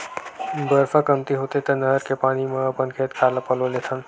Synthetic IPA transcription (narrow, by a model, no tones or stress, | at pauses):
bəɾfʰakəmt̪iɦot̪et̪ənəɦəɾkepaːnimẽəpənkʰet̪kʰaːləpəlolet̪ʰən